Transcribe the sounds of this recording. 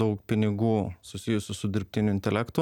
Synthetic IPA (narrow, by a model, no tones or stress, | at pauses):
ɐʊkpʲɪnʲɪɡuːsʊsʲɪjʊsʲʊsʊd̪ʲɪɾʲpʲt̪ʲɪnʲʊɪnt̪ʲɛlʲæːkt̪ʊ